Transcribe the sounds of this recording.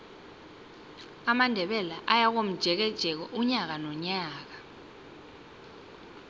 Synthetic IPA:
amandʱɛɓɛlaʔajak̬om̩d̥ʒ̥ʱɛk̬ɛd̥ʒ̥ʱɛk̬ɔʔuɲak̬anɔɲaːk̬ḁ

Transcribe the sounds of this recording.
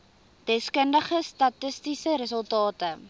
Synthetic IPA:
d̥ɛskəndəχəstɐtəstisəɾəs̬əlˠtɑːtə

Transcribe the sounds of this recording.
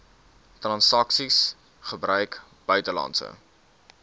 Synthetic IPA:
trɑnsɐksis | χəbrœɥk | b̥œɥtəlɑ̰ntsə̰

